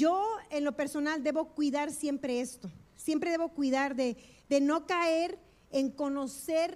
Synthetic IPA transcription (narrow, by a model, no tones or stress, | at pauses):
d͡ʒoe̞nlo̞pe̞ɾso̞nald̪e̞βo̞kwiðaɾsje̞mpɾe̞est̪o̞sje̞mpɾeðeβo̞kwiðaɾðe̞ | ðeno̞kaeɾ | eŋko̞no̞se̞ɾ